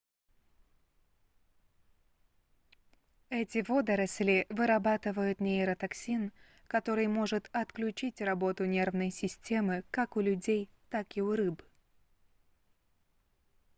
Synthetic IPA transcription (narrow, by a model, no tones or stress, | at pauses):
ɛtʲɪvo̞d̪əɾɐsʲlʲɪvɨɾɐbat̪ɨvəjʊt̪nʲeɪɾət̪ɐksʲin | kɐt̪o̞ɾɨjmo̞ʐɨt̪ɐt̪klʲʉt͡ɕitʲrɐbo̞t̪ʊnʲe̞rvnəjsʲɪsʲtʲe̞mɨkakʊlʲʊdʲejt̪akɪʊɾɨb